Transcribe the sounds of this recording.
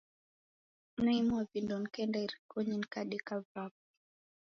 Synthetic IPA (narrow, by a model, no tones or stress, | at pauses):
naimuavindɔn̩kɛndaiɾikɔɲin̩kaɗɛkavap̚i